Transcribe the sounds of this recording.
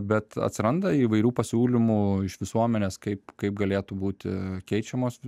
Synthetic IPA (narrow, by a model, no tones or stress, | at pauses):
bʲɛt̪ɐ̰t̪ʲsʲɪɾɐnd̪ɐiːʋɐɪɾʲuːpɐsʲuːlʲɪmuːɪʃʋʲɪsuɔmʲɛnʲeːskɐɪpkɐɪp̚ɡɐlʲeːt̪ubuːt̪ʲɪkʲɛɪt͡ʃʲɛmoːs